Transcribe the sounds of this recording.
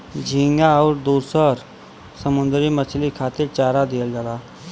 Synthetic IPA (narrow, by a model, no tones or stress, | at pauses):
d͡ʒʱĩŋɡaɔːɾd̪uːɾsəɾ | səmund̪ɾimət͡ʃʰlikʰat̪iɾt͡ɕaːɾad̪ijəld͡ʒala